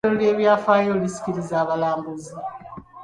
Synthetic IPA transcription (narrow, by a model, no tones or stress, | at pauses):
olole̞ːβjaːfaːjolisi̥ciɾizaːβalaːmbuzi